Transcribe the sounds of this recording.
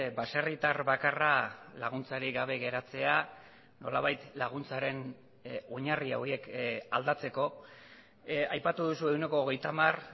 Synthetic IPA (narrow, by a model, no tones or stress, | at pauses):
baserit̪arβakaralaɣ̞unt͡saɾiɡaβ̞e̞ɣe̞ɾat͡se̞a | no̞la̰βajt̪laɣ̞unt͡saɾe̞n | o̞ɲaria̰oie̞ka̰ld̪at͡se̞ko̞ | ajpat̪uðusue̞wne̞ko̞ːɣe̞jt̪amar